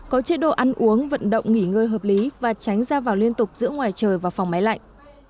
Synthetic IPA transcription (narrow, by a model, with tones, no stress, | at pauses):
kɔ˨˦t͡ɕe˨˦˥ɗo̰˧˨ʔa˧nʔu˨˦əŋvə̰˧˨nɗə̰˧˨wŋ͡mŋi˧˩ŋəː˧jɦəː˨˩p̚li˨˦vaː˨˩t͡ɕa˨˦jŋ̟zaː˧vaː˨˩wli˧ənt̪ʊ˨˩k͡p̚zɨ̰˧˥əŋwaː˨˩jt͡ɕəː˨˩jvaː˨˩wfa˨˩wŋ͡mma˨˦jla̰˧˨jŋ